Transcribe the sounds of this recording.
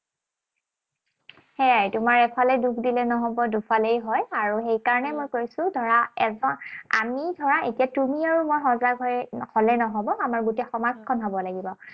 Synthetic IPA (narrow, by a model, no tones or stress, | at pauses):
hɛaɹtʊmaɹɛpʰalɛdukʰdilɛnɔɦɔbɔdupʰalejɦɔjaɹuxejkaɹɔnɛmojkoɹisʊ̃dʱɔɹaɛzɔa̰midʱɔɹaʔetijatumiaɹumojxɔ̃zaɡɦɔjkʰɔlɛnɔɦɔbɔamaɹɡutɛxɔmazkʰɔnɦɔbɔlaɡibɔ